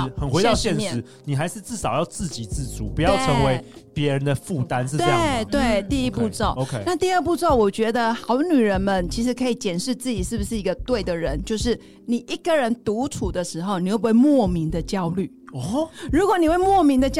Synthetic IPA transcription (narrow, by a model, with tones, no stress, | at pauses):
xə˨˩nxwe˧ɪɑ˧˥˧ʊɕjɛ˥˨nmjʂɛ˥˨ɻ̩˧˦ | ni˨˩xa˧˥ɪʂɻ̩˥˧t͡sɹ̩˥˩sɑ˨ʊjɑ˥˧ʊt͡sɹ̩˥˩t͡ɕi˨˩t͡sɹ̩˥˩t͡sṵ˨˩˦pu˧˦jɑ˥˩ʊʈ͡ʂʰə˧˦ŋwe˧˦ɪpjɛ˧˦˥ɻə˧˦nd̪ə˧fu˥˨t̪a˦nʂ̩˥˧t̪we˧jt̪we˥˩ɪt̪i˥˧i˥pu˥˧t͡so˥˩ʊo˧kʰe˥˧na˥˧t̪i˥˧ə˥˧p̬u˥˧t͡so˥˩ʊwɔ˨˩t͡ɕɥɛ˧˥d̪ə˧xɑ˧˥ʊ˧ny˨˩ɻə˧˦˥nmə˨nt͡ɕʰi˧˥ʂɻ̩˧˥kʰɤ˧˥i˨˩t͡ɕjɛ˨˩nʂɻ̩˥˧t͡sɹ̩˥˩t͡ɕi˨˩ʂɻ̩˥˩bu˩ʂɻ̩˥˩i˧˥ɡə˧t̪we˥˩ɪd̪ə˩ɻə˧˦nt͡ɕjo˥˧ʊʂɻ̩˥˩ | ni˨˩ʔi˥kə˨ɻə˧˥nt̪u˧˥ʈ͡ʂʰu˨˩d̪ə˦ʂɻ̩˧˥xo˥˧ʊni˨˩we˥˩˧we˥˩ɪmwɔ˥˩mi˧˥ŋd̪ə˨t͡ɕjɑ˥ʊly̰˥˩ɔ˨˩ɻu˧˥kwɔ˧˦ni˨˩we˥˩ɪmwɔ˥˩mi˧˥ŋd̪ə˨t͡ɕ